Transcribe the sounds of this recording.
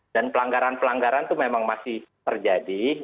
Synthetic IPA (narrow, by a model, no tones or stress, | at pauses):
danpəlaŋɡaɾanpəlaŋɡaɾant̪umemaŋmasɪht̪ərd͡ʒadi